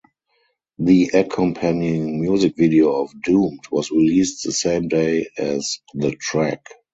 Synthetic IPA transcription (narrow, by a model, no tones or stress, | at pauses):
ðiʔəkʰɔ̃mpʰæ̃njɪ̃ŋmjuzɪkvidioʊɔfdũːmtʰwɔsɹiliːstðəsẽɪ̃mdeɪɛzðətʰɹæk